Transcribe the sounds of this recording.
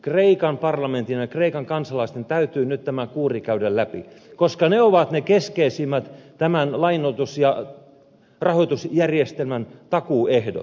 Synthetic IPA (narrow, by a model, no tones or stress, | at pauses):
kreikɑmpɑrlɑment̪injɑkreikɑŋkɑnsɑlɑist̪ent̪æyt̪yːnyt̪t̪æmækuːrikæydællæpḭkoskɑneoʋɑt̪nekeskeisimːæt̪t̪æmænlɑinot̪usjɑ | rɑhoit̪usjærjest̪elmænt̪ɑkuehdo̰t̪